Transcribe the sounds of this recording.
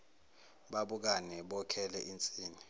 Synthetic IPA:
ɓaɓuk̬anɛɓɔkʰɛlɛʔint͡sʼiːni

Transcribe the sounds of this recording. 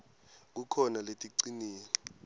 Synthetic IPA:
k̬ukʰɔnaletʼiǀiniːni

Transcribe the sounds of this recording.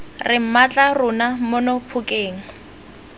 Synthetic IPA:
rɪm̩mat͡ɬʼarʊnamʊnɔpʰʊkʼeːŋ̩

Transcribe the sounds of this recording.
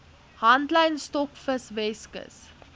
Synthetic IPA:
hɐntlɐjnstɔkfəsvɛskə̰s

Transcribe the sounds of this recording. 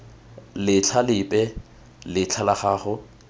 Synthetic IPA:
lɪt͡ɬʰalɪpʼɛ | lɪt͡ɬʰalaχaːχʊ

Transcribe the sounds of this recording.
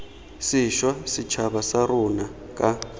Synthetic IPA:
siʃwasit͡ʃʰaβasaɾuna | kʼa

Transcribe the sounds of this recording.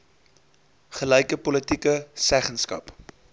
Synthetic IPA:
χəlɛjkəpɔlətikəsæχənskɐ̰p

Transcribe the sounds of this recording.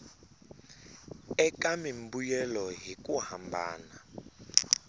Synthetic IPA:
ɛkamimbujɛlɔɦikʼuhambʱa̰ːna

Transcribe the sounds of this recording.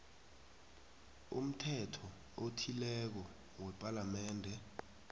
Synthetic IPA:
ṵm̩tʰɛtʰɔ | otʰilɛk̬ɔ | wɛpʼalamɛːndʱɛ

